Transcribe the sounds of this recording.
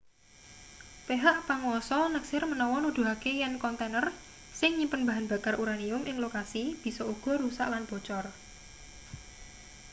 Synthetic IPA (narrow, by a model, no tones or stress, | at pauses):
peɦaʔpaŋwɔsɔnəksɪrmənɔwɔnud̪̥ṳɦakejankɔnt̪enər | sɪŋɲimpənba̤ɦanb̥a̤karʔuɾaniʊmʔɪŋlokasib̥i̤sɔuɡ̥ɔ̤ɾusa̰ʔlanb̥ɔ̤t͡ʃɔr